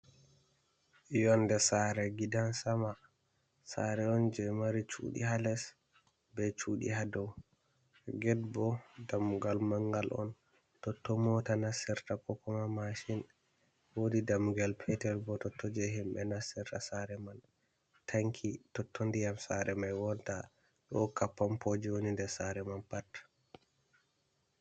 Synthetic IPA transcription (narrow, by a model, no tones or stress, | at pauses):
jɔndɛsaɾɛɡidansama | sa̰ɾɛɔnd͡ʒɛmaɾit͡ʃṵːɗḭhalɛs | bɛt͡ʃuɗḭɦadɔw | ɡɛd̚bɔdamuɡalmaŋɡalʔɔ̰n | tɔtːɔmɔtanasɛɾtakɔkɔmamaʃin | wodidamːuɡalpʰɛtɛlbɔtɔtʰːɔd͡ʒɛɦimɓɛnasɛɾtasaɾɛman | tʰaŋkʰitɔtʰːondijamsaɾɛmajwɔnta | ɗɔkapːampʰod͡ʒiwonindɛsaɾɛmanpatː